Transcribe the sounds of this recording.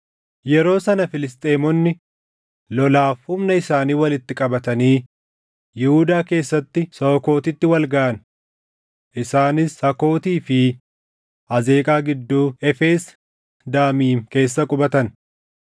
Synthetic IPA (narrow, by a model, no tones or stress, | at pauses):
jɛɾo̞ːsɐnɐfɪlɪst̪ʼe̞ːmɔnːɪ | lɔlaːfhʊmnɐɪsaːniːwɐlɪt̪ːɪkʼɐbɐt̪ɐniː | jɪhʊd̪aːke̞ːsːɐt̪ːɪsɐɔko̞ːt̪ɪt̪ːɪwɐlɡɐʔɐn | ʔɪsaːnɪshɐko̞ːt̪iːfɪ | ɐze̞ːkʼaːɡɪd̪ːuːɛfe̞ːs | d̪aːmiːŋke̞ːs̬ːɐkʼʊbɐt̪ɐn